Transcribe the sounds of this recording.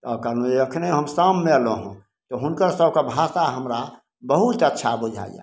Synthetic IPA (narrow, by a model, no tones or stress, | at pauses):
ɔːkanõeəkʰneɦəmsaːmːeloɦũ | t̪oɦʊnkəɾsəbkabʱat̪aɦəmɾa | bəɦut̪ətːʃʰabʊd͡ʒʱa̰ːḭja̰